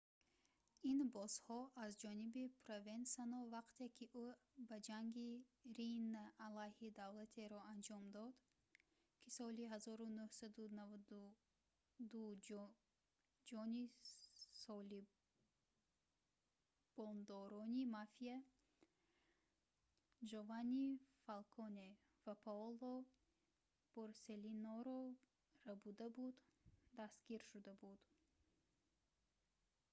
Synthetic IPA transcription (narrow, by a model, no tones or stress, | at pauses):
inbɔzhɔʔazd͡ʒɔnibipʰɾovensanɔvaqt̪ʰekʰiʔubad͡ʒaŋɡiɾinːaːlajhid̪avlat̪ʰe̞ɾɔand͡ʒɔmd̪ɔd̪ | kʰisɔliɦazɔɾunuhsad̪unavad̪u | d̪u | d͡ʒɔni | sɔli | b̥ɔnd̪ɔɾɔnimafia | d͡ʒovanifalkʰɔne | vapʰaɔlˠɔ | b̥oɾselinɔɾɔ | rabud̪abud̪d̪ast̪ɡiɾʃud̪abud̪